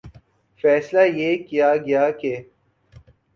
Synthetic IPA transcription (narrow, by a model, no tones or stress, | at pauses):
fɛːslajeːkijaɡɐjaːke